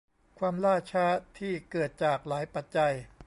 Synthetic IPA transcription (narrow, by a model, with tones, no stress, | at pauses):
kʰwaː˧mlaː˥˩t͡ɕʰaː˦˥t̪ʰiː˥˩kɤː˨˩t̪̚t͡ɕaː˨˩k̚laː˩˦jpa˨˩t̪̚t͡ɕa˧j